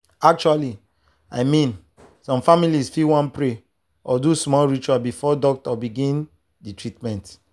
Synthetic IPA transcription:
ak̚t͡ʃuali | a̰ɪmĩn | sɔ̃mfamilisfiwãnpɹe | ɔdusmɔlɹit͡ʃuabifɔdɔk̚tɔbiɡĩn | ditɹitmɛ̃nt

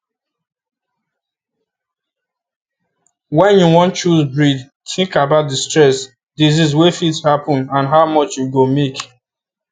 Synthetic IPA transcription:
wɛ̃njuwɔ̃nt͡ʃuzbɹid | tɪ̃ŋkabaʊt̚distɹɛs | dizizwefitshapɔ̃nãnɦaʊmɔt͡ʃjuɡomek

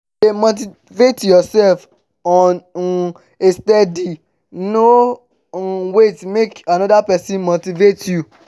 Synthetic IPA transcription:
demot̬i | vetjɔsɛlf | ɔ̃n | estɛdi | no | wetmekanɔdapɛsĩnmotivetju

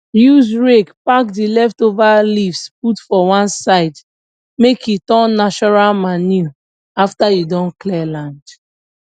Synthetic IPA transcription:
juzɹekpakdilɛftovalifsp̚utfɔwãnsaɪd | mekjutɔ̃nːaʃɔɹalmanu | aftajudɔ̃nklɛlãnd

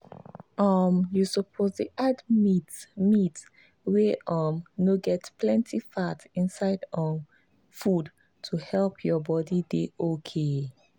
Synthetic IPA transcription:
ʔɔmjusɔpʰozdiʔadmitmit | weʔɔmnoɡɛtpʰlɛ̃ntʰifatĩnsaɪdɔm | fud | tʰuhɛlpʰjɔbɔdideʔokʰe

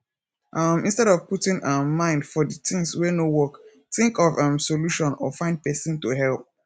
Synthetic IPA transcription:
ʔamĩnstɛɾɔvputĩŋʔamãɪ̃ndfɔdətɪ̃ŋswɛnowɔk | tĩŋkɔvamsoluʃɔ̃nɔ̰fãɪ̃nd̚pɛsĩntoɦɛlp̚

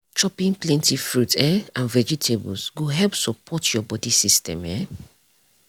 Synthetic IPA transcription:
t͡ʃɔpĩnplɛ̃ntifɾutʰɛãnvɛd͡ʒitʰebṵlsɡoɦɛlpsɔpʰɔtʰjɔbɔdisistɛ̰̃mɛ

